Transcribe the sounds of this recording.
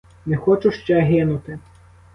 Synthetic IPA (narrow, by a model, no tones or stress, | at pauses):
nɛxɔt͡ʃʊʃt͡ʃɛɦɪnʊt̪ɪ